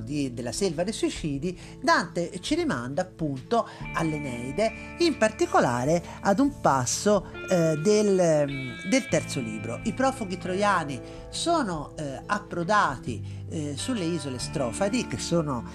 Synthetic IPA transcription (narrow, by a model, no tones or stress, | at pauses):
d̪id̪elːaselvad̪eswit͡ʃiːd̪i | d̪ant̪et͡ʃiɾimand̪aːpːunt̪oalːenɛjd̪e | impart̪ikola̰ːɾe | ad̪umpasːod̪el | d̪elt̪ɛrt̪solḭːbɾo̰ʔipɾɔːfuɡit̪ɾojaːni | soːnoapːɾod̪aːt̪ḭ | sulːeiːzolest̪ɾɔːfad̪ik̟esːoːno